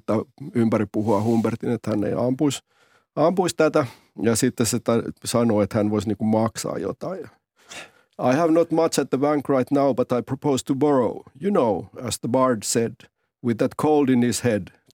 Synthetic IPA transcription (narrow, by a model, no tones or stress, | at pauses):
t̪ːæympæɾipuhuɑhumbert̪inet̪hænːḛiɑmpuis | ɑmpuist̪æt̪æ | jɑsit̪ːesset̪æsɑnoːet̪hænʋoisniːŋkummɑksɑ̰ːjo̰t̪ɑi | ɑɪhævnot̪mʌt͡ʃæt̪̚ðəbæ̃ŋkɹaɪt̪naʊbɑt̪ɑjpʰɹ̥opoʊst̪ubɔɹoʊjunoʊæzðəbɑɹdsed | wɪðːæt̪kʰoʊlˠdɪ̃nhished